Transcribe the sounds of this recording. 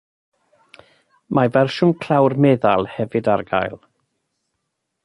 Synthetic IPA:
mavɛrʃʊmkʰl̥awrmɛðalˠhɛvɨdaɾɡa̰jlˠ

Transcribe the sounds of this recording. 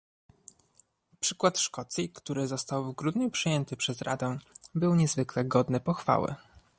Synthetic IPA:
pʂɘkwat̪ʂkɔt̪sʲjikt̪uɾɘzɔst̪awvɡɾud̪ɲupʂɘjɛnt̪ɘpʂɛzɾa̰d̪ɛ̃bɘwɲɛzvɘklɛɡɔd̪nɘpɔxfa̰wɛ̰

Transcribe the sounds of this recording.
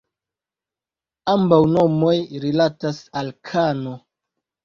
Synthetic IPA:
ambawno̞mo̞jɾilatasalkʰano

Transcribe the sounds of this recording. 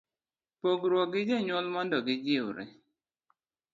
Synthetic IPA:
poɡɾwɔɡɪd͡ʒeɲɔlmɔndɔɡɪd͡ʒɪʊɾɛ̰

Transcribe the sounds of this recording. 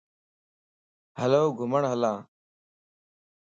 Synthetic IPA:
həloːɡʱʊməɳɦəlaː

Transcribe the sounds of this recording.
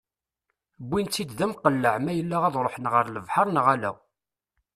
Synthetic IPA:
bʷːint͡sːid̪ðæmqəlːəʕmæjəlːæʁæðˤɾˤoħənʁəɾləvħɑɾˤnʁælæ̰

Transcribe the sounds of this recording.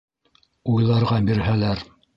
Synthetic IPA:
ujlˠɑɾʁɑbiɾɦælæɾ

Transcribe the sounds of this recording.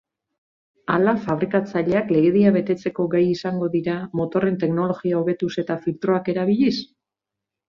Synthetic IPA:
alafaβ̞ɾikat͡saʎe̞akle̞ɣe̞ðiaβe̞t̪e̞t͡se̞ko̞ɡajisaŋɡo̞ðiɾamo̞t̪o̞re̞nt̪e̞kno̞lo̞ɣiao̞β̞e̞t̪use̞t̪afilt̪ɾo̞ake̞ɾaβ̞iʎis

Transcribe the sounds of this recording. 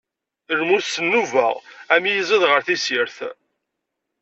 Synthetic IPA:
əɾmusːənːuvəʁæmijəzˤəðʁəɾθisiɾθ

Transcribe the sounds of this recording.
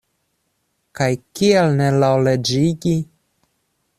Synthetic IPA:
kajkielnelawled͡ʒiɡi

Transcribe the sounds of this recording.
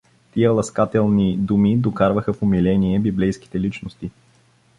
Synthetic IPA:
t̪iəlˠɐskat̪ɛlˠnid̪umid̪okaɾvəxəfʊmilɛniɛbiblɛjski̥t̪ɛlit͡ʃnost̪i

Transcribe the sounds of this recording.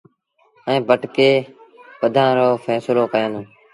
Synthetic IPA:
əẽːbʱəʈkeːpəd̪ʱãːɾoːfʰɛːsloːkəjãːnõː

